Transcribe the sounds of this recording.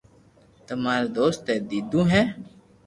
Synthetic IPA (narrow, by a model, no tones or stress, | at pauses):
t̪əmaːɾed̪oːst̪ːeːd̪iːd̪ũːɦɛ̃ː